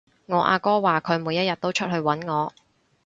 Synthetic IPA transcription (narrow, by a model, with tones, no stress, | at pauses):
ŋɔː˨˧ʔa̰ː˧kɔː˥waː˨˩kʰɵ˨˧ɥmuː˨˧jɐ˥jɐ˨t̚t̪o˥wt͡ʃʰɵ˥t̚hɵ˧ɥwɐ˨˥nŋɔː˨˧